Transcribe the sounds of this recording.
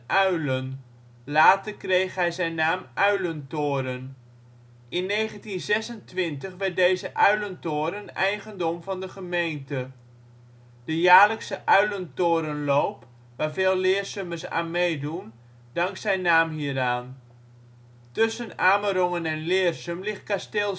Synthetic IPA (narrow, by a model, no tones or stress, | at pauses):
œɥlən | laːtərkrejχɦɛjzɛjnːaːmʔœɥləntʊːɾən | ʔɪnːejχəntinzɛsəntʋɪntəχʋɪdejzəʔœɥləntoːɾənɛjχəndɔmvɑndəχəmejntə | d̥əjaːləksəʔœɥləntoːɾənloːp | ʋaːrveːlˠlɪːrsøməsa̰ːnmejdun | dɑŋksɛjnːaːmɦiːəɾaːn | tʏsənaːməɾɔŋənɛnlɪərsəmlɪχt̚kasteːl